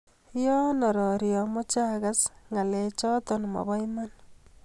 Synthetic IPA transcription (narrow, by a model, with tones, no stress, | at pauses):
jɔ˦nɔ˨ɾɔ˨ɾjɔ˨mo˦t͡ʃa˦ɣasŋa˨le˨t͡ʃɔ˦t̪ɔnmɔ̰˨bɔ˦jman